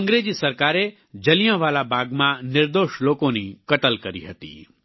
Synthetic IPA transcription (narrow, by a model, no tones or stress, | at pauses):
ə̃ŋɡɾed͡ʒisəɾkaɾe | d͡ʒəlijãʋalabʱaɡmãnɪɾd̪oʃlokonikəʈ̪əlkəɾḭɦət̪ḭ